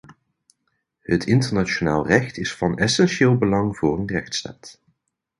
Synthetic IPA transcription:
hətɪntəɹnat͡ʃonaːlˠrɛxtɪsfɑnɛsɛnʃɪːlˠbəlɑŋvʊːrənrɛxtsta̰ːt

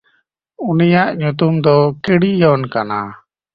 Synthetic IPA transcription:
unijaʔɲut̪umd̪ɔkiɽijɔnkana̰

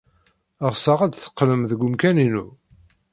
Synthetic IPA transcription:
əʁsəʁæd̪θə̥qːləmðəɡʷʊmkæninu

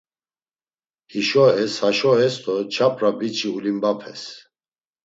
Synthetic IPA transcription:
hiʃɔɛshaʃɔɦɛst̪ʰɔt͡ʃʰapʼɾabit͡ʃʰʼiulimbapʰɛ̰s

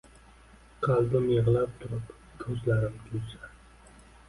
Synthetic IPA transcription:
qʰɑlˠd̪ɪmjɨʁlˠap̚t̪ʰʊɾɪp | kʲʰɵzlaɾɪmt̪ʰʊjsa

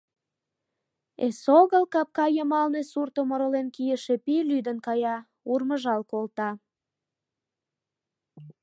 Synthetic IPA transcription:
ḛsoɣəlkɑp̚kɑjəmɑlnesurt̪omoɾolenkijəʃepilyd̪ənkɑjɑ | urməʒɑlkolt̪ɑ

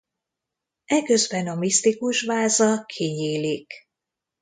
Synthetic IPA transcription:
ɛkø̞zbɛnɒmist̪ikuʃvaːzɒkʰiɲiːlik

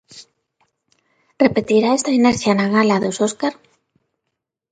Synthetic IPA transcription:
repet̪iɾaest̪aineɾθjanaɣalaðososkaɾ

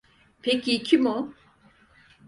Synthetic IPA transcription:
pʰecicʰimu

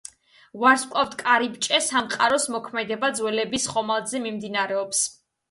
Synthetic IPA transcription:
vaɾskʼaft̪ʰkʼaɾipt͡ʃʼɛsamqʼaɾɔsmɔkʰmɛd̪ɛbad̪zwɛlɛbisχɔmalˠzɛmimd̪inaɾɛɔps

